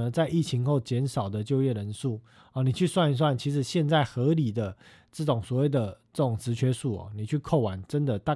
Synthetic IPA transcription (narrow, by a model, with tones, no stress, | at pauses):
ə˨t͡sa˥˧ɪʔi˥˩t͡ɕʰi˧˥ŋxo˥˩ʊt͡ɕjɛ˧˥nʂɑ˨˩ʊd̪ə˦t͡ɕjo˥˧ʊjɛ˥˩ɻə˧˦˥nʂu˥˩ | ɔ˩ni˨˩t͡ɕʰy˥˧swa˥˧ni˧˥s̬wa˥˩nt͡ɕʰi˧˥ʂ̬ɻ̩˨˩ɕjɛ˥˧nt͡sa˥˩ɪxɤ˧˥li˨˩d̪ə˦ | ʈ͡ʂə˥˩ʈ͡ʂʊ˨˩ŋswɔ˨˩we˥˩ɪd̪ə˩ʈ͡ʂɤ˥˩ʈ͡ʂʊ˨˩ŋt͡sɹ̩˧˥t͡ɕʰɥɛ˧˥ʂu˥˩ɔ̰˨˩ni˨˩t͡ɕʰy˥˧kʰo˥˩ʊwa˨˥˦nʈ͡ʂə˦˥nd̪ə˨t̪a˥˨